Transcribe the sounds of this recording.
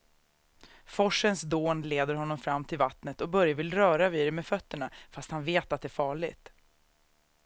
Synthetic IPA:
fɔʂənsd̪oːnleːd̪əɾhɔnːɔmfɾamːt̪ʰɪlvat̪nət̪ɔbœɾjavɪlɾœːɾaviːd̪ɛmɛfœt̪ːəɳafast̪hanveːt̪at̪̚d̪ɛæːɾfɑːɭɪɡt̪

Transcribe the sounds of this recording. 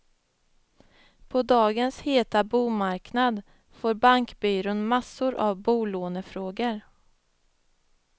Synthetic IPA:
pʰɔd̪ɑːɡənsheːt̪abuːmaɾknad̪ | foːɾbaŋkbyːɾʊːnmasːʊɾʔa̰vbuːloːnəfɾoːɡəɾ

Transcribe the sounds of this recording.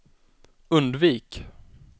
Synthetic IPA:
ɵnd̪viːk

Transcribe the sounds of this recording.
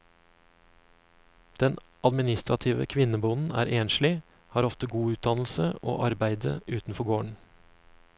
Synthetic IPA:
d̪̥ɛnʔɑd̪mɪnɪst̪ɾɑt̪ʰiːʋə̰kʰʋɪnəbunn̩æ̰ːɾʔeːnʃlɪ | hɑːɾɔft̪əɡuːʉːt̪̚d̪ɑnl̩səʔo̰ːʔɑɾbæɪd̪ə̰ʔʉːt̪n̩fɔɡoːɳ

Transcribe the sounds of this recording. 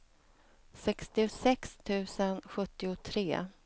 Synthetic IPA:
sɛkst̪ɪʊsɛkst̪ʰʉ̟ːsənɧɵt̪ːɪʊt̪ʰɾeː

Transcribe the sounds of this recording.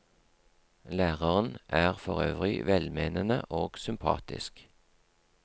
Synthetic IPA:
læːʁəʁən̩ʔæːʁfɔʁøːʋʁɪʋɛlmeːnənə̰ʔoːɡ̥sʏmpʰɑ̰ːt̪ɪ̰sk

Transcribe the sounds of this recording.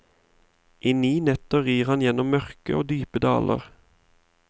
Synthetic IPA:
ʔiːniːnɛt̪əʁiːʁhɑnjɛnɔmmœʁkəʔoːd̪yːpəd̪ɑ̰ːlʔə̰ʁ

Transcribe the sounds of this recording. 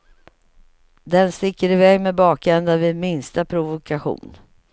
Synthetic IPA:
d̪ɛnst̪ɪkːəɾɪvɛːɡmebɑːkɛnd̪avɪd̪mɪnst̪apʰɾʊvʊkʰaɧṵːn

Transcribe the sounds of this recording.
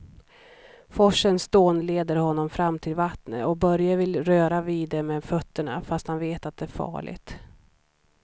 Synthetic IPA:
fɔʂənsd̪oːnleːd̪əɾhɔnːɔmfɾamːt̪ʰɪlvat̪nə̰ɔk̚bœɾjavɪlɾøːɾaviːd̪ɛmɛd̪fœt̪ːəɳa̰fast̪hanveːt̪at̪̚d̪ɛæɾfɑ̰ːɭɪ̰ɡt̪

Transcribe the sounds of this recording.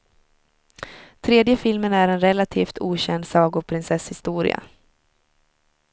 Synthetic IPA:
t̪ʰɾeːd̪jəfɪlmənæɾɛnɾɛlat̪ʰiːft̪ʰuːɕɛnd̪sɑːɡʊpʰɾɪnsɛshɪst̪uːɾɪ̰a̰

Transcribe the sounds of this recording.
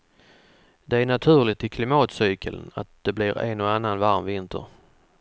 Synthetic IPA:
d̪ɛæɾɳat̪ʰʉ̟ːɭɪt̪ɪkʰlɪmɑːt̪syːkʰələ̰na̰t̪̚d̪̥ɛblɪɾɛ̰nɔanːanvaɾmvɪnt̪ʰə̰ɾ

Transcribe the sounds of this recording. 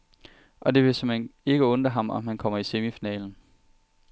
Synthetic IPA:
ʔɒ̽d̥e̝ʋe̝semene̝ɡ̥əɔ̽nd̥ɐɦɑ̈mɒ̽mhænkʰɒ̽m̰ɐise̝mifinɛ̰ːln̩

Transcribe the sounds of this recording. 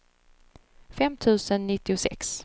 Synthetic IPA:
fɛmt̪ʰʉ̟ːsənːɪt̪ːɪʊsɛ̰ks

